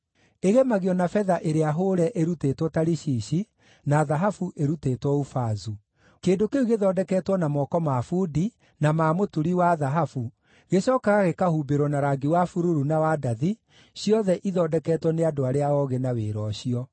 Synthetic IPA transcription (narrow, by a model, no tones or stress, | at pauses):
eɣemaɣiɔnafɛðaʔeɾeaɦoːɾɛʔeɾutetwɔtaɾiɕiːɕi | naðaɦafuʔeɾutetwɔufazu | keːndokeuɣeðɔːdɛkɛːtwɔnamɔkɔmafudi | namaːmotuɾiwaðaɦafu | ɣeɕɔːkaɣaɣekahubeɾwɔnaɾaɡiwafuɾuɾunawadaði | ɕiɔðɛʔiðɔdɛkɛːtwɔneadoaɾeaɔɣenaweːɾɔɕiɔ